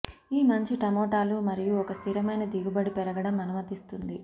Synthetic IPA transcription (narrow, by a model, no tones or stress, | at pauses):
iːmɐɲt͡ʃiʈɐmɔːʈaːlumɐɾijuɔkɐst̪ʰiɾɐmɐjnɐd̪iɡubɐɽipɛɾɐɡɐɽɐmɐnumɐt̪ist̪und̪i